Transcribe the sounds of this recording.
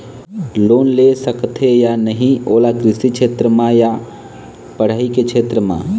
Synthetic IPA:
loːnlesəkt̪ʰɦejanəɦĩoːlaɡɾɪsit͡ʃʰeːt̪ɾəmãja | pəɽ̤aːiket͡ʃʰeːt̪ɾəmã̰ː

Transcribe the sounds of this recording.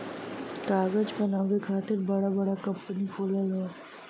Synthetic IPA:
kaːɡəd͡ʒpɐnaːʋekʰaːt̪ɪɾbɐɽabɐɽakɐ̃mpənifʰoːləlɦɛ

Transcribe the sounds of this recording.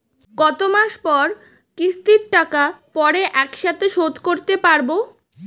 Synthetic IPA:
ɡɔt̪omaʃpɔɾ | kɾist̪iɾʈakapɔɾeʔɛkʃat̪ʰeʃot̪koɾt̪epaɾbo

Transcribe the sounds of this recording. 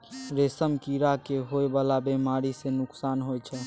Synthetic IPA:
ɾesəmkiɾakeɦoebalabemaɾisenʊksanɦojt͡ʃʰɛ

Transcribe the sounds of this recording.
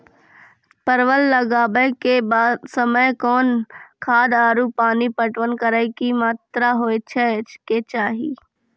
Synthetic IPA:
pəɾʋəlːəɡaːbəjkebaːsəməjkɔːnkʰaːd̪aːɾupaːnipəʈʋənkəɾəɪkimaːt̪ɾaɦoːet͡ʃʰet͡ʃket͡ʃaːɦiː

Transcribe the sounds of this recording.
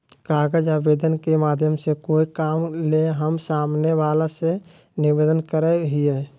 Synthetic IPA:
kaːɡəd͡ʒabeːd̪ənkemaːd̪ʱjəmsekoːikaːmleɦəmsaːmneʋaːlase | nɪbeːd̪ənkəɾɛɦiɛ

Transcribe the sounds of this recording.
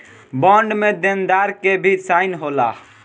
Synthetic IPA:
bɔ̃ːɳɖmẽd̪end̪aːɾkebʱisaːɪnɦoːla

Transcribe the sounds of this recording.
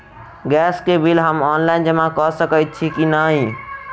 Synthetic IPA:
ɡɛskebʱilɦəmɔnlaind͡ʒəmãkɔsəkəjt̪̚t͡ʃʰikinaɦi

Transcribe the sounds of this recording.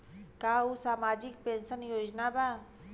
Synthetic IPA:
kaːusaːmaːd͡ʒɪk̚pẽːnʃənjoːd͡ʒnabaː

